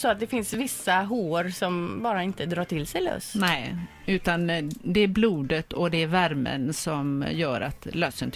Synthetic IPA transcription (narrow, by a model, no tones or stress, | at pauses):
sɔat̪̚d̪ɛfɪnsvɪsːaɦoːɾsɔmbɑːɾaɪnt̪əd̪ɾɑːʈʰɪlsɛjlœ̰snɛ | ʉ̟ːt̪and̪ɛæɾbluːd̪ət̪ɔd̪ɛːɾvæɾmə̰nsɔmjœːɾa̰t̪lœsənt̪